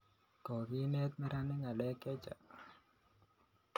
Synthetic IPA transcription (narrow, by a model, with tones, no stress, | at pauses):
kɔ˨ɡi˦nɛ˦t̪̚mɛ˦ɾa˦nɪ˦ŋa˨lɛ˦kɛ˦t͡ʃa̰˨